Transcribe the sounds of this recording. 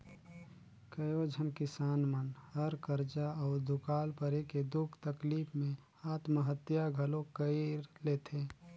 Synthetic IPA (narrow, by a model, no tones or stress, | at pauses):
kəjoːd͡ʒʱənkɪsaːnmənhɐɾkəɾd͡ʒaɔːɾd̪ʊkaːlpəɾeked̪ʊkʰt̪əkliːpmẽ | aːt̪məɦət̪jaɡʱəlõkəiɾleːt̪ʰeː